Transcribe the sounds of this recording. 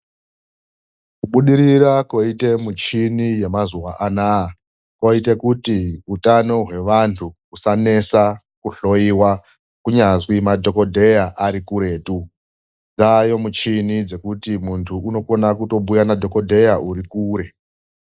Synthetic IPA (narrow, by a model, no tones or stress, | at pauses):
kuɓuɗiɾirako̞ite̞mut͡ʃinije̞mazuwaʔana | koitekutiutano̞ɦwe̞ʋantʰu | usane̞sa | kuɬo̞iwa | kuɲaʐwimadʱo̞ko̞dʱe̞jaʔaɾikuɾe̞ːtu | d͡zajo̞mut͡ʃinid͡ze̞kutimuntʰuːno̞ko̞nakuto̞ɓujanadʱo̞ko̞dʱe̞jaʔuɾikuːɾe̞